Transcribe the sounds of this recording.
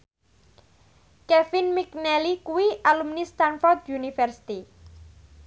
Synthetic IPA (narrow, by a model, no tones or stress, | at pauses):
kɛfinmik̚nɛlikuwiʔalumnist̪anfɔrd̪junifərsi̥t̪i